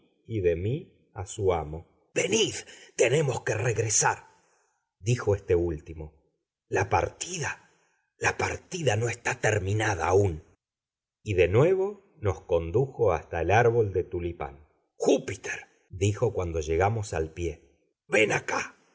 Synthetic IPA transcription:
iðe̞mi | asuamo̞ | be̞niðt̪e̞ne̞mo̞ske̞reɣɾe̞saɾ | d̪ixo̞est̪e̞ult̪imo̞ | lapa̰ɾt̪iða | lapa̰ɾt̪iðano̞est̪at̪eɾmĩnaða̰ːun | iðe̞nwe̞βo̞ | no̞sko̞nd̪uxo̞ast̪aelaɾβo̞ld̪e̞t̪ulipa̰n | xupit̪eɾ | d̪ixo̞kwand̪o̞ʒe̞ɣamo̞sa̰lpje̞ | βe̞naka

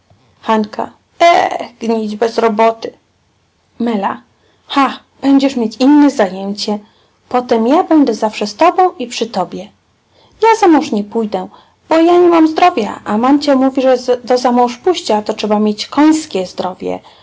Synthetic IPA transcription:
xanka̰ | ɛ̰ɡɲid͡ʑbɛzɾɔbɔt̪ɘ | mɛla | xax | b̥ɛɲd͡ʑɛʂmʲjet͡ɕinːɛzajɛɲt͡ɕɛ | pɔt̪ɛmjabɛnd̪ɛzafʂɛst̪ɔbɔ̃w̃ipʂɘt̪ɔbʲjɛ | jazamɔ̃w̃ʂɲɛpujd̪ɛ | b̥ɔjaɲɛmamzd̪ɾɔvʲja̰ʔamant͡ɕamuvʲiʐɛd̪ɔzamɔ̃w̃ʂpuɕt͡ɕat̪ɔtʂɛbamʲjet͡ɕkɔj̃skʲɛzd̪ɾɔvʲjɛ̰

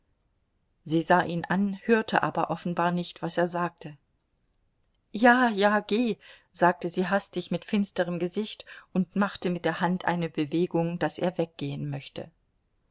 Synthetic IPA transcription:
ziːzaːʔiːnʔanhøːɐtʰəʔa̰ːbɐʔɔfn̩baːɐnɪçtv̥aseːɐzaːk̚tʰə | jaːjaːɡ̥eː | z̥aːk̚təziːɦastɪçmɪtfɪnstəʁəmɡəzɪçtʔʊntmaχtəmɪt̚d̥eːɐhantʰʔa̰ɪnəbəveːɡʊŋd̥asḛːɐvɛk̚ɡ̥eːənmœçtə̰

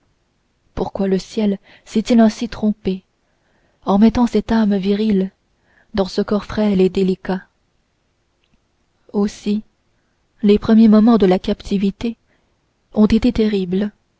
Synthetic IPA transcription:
puʁkwaləsjɛl | sɛt̪ilɛ̃sit̪χɔ̃pe | ɑ̃mɛt̪ɑ̃sɛt̪amviʁil | d̪ɑ̃səkɔʁfχɛled̪elika | osi | lepχəmjemɔmɑ̃d̪əlakʲapt̪ʰivit̪e | ɔ̃t̪et̪et̪eʁibl

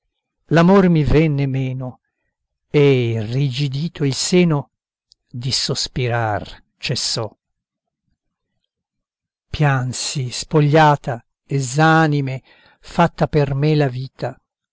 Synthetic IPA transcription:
lamormivɛnːemɛːno | erid͡ʒid̪iːt̪ʰoilsɛːno | d̪isospiɾar | t͡ʃesːɔ | pjansispoʎːaːt̪a | ezaːnime | fat̪ːapermelaviːt̪ʰa

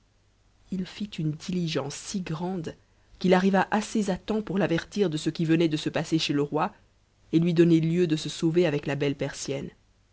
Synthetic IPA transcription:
ilfit̪ʰynd̪iliʒɑ̃sːiɡʁɑ̃d̪ | kʲilaʁivaʔasezat̪ɑ̃puʁlavɛʁt̪iʁd̪əsəkʲivənɛd̪əsəpaseʃeləʁwa | elɥid̪ɔneljød̪əsəsoveavɛklabɛlpɛʁsjɛn

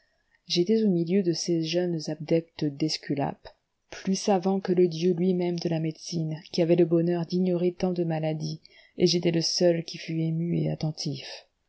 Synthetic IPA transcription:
ʒet̪ɛzomiljød̪əseʒœnzab̚d̪ɛk̚t̪əd̪ɛskʲyla̰p | plysavɑ̃kələd̪jølɥimɛmd̪əlamed̪sinkʲiavɛləbɔnœʁd̪iɲɔʁet̪ɑ̃d̪əmalad̪i | eʒet̪ɛləsœlkʲifyemyḛa̰t̪ɑ̃t̪ʰif

